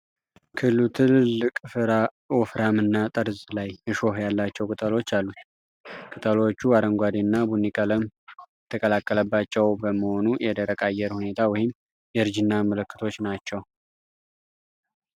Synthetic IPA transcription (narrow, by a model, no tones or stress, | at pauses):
kʰɨlːut̪ʰɨllːɨkʼɨfɨɾa | wɔfɾamɨnːat̪ʼəɾzlajəʃo̞hjalːat͡ʃːɛwkʼɨt̪ʼəlo̞t͡ʃːalːut̪ | kʼɨt̪ʼəlo̞t͡ʃːuaɾəŋɡʷad̪inːabunːikʼələm | t̪ʰəkʼəlakʼːələbːat͡ʃːɛwbəməho̞nujɛd̪əɾəkʼajːɛɾhune̞t̪ʰawɔjɪm | jɛɨɾd͡ʒɨnːamələkːɨ̥t̪ʰo̞t͡ʃːnat͡ʃːɛw